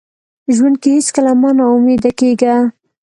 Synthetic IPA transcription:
ʒwand̪̚keheskəlamɑnaʊmed̪akeɡa

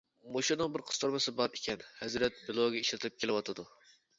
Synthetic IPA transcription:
moʃunɨŋbɪɾqʰə̥st̪ʰoɾmɨsɨbɑɾekʲʰɛnhɛzɾɛt̪̚bɪlˠoɡʲɛiʃlɪt̪ʰɨp̚kʲʰelɪwɑt̪ʰɨd̪u

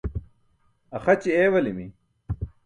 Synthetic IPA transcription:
ɐxɐt͡ɕieːwɐlimi

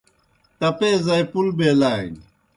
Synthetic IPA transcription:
t̪apɛzajpulbelajn

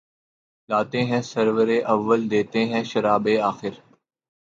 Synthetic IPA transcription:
laːt̪ẽːɦɛ̃ːsəɾʋəɾeːʔɐʋːəld̪eːt̪eɦɛ̃ːʃəɾaːbeːaːxɪɾ

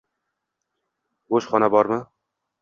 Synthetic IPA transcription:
boʃχɒnabɒɾmɪ

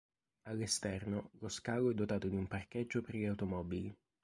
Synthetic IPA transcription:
alːest̪ɛrnoloskaːloɛd̪ːot̪aːt̪od̪iumparked͡ʒːoperʎiawt̪omɔbili

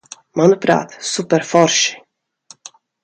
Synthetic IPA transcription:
manupɾa̰ːt̪supɛɾfɔɾʃ

